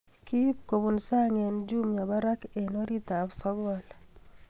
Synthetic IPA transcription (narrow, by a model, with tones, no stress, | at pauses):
ki˦p̚ko˨bu˨nsa˦ŋɛ˨nd͡ʒu˦mɲa˨ba˦ɾa˦ke˨no˦ɾi˦ta˨bsɔ˦ɡa˨l